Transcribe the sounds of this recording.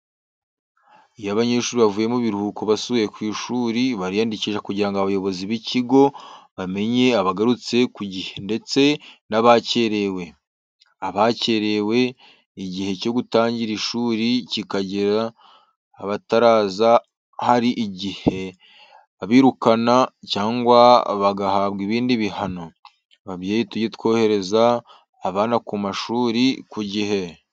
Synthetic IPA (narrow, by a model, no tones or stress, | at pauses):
ijaβaɲe̞ːʃuːɾiβavuːje̞muβiɾuhukoβasujekwiːʃuːɾiβaɾijandiciʒakuɟiɾaŋɡoaβajo̞βo̞ziβiciɡo̞βame̞ɲe̞aβaɡaɾut͡se̞kuɟihe̞nde̞t͡se̞naβace̞ɾe̞we̞ | aβace̞ɾe̞we̞ | iɟihe̞co̞ɡutaːɲɟiɾiʃuːɾicikaɟeɾaː | βataɾaːza | haɾiʔiɟihe̞ | aβiːɾukanacaːŋɡwaβaɡahaβɡiβiːndiβihano̞ | βaβjeːjituɟet̪kwo̞ːhe̞ɾe̞zaː | βaːnakumaʃuːɾikuɟihe̞